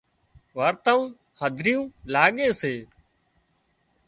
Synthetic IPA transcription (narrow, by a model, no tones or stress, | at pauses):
ʋaːɾt̪aːũː | həd̪ʱɾɪjũːlaːɠeːseː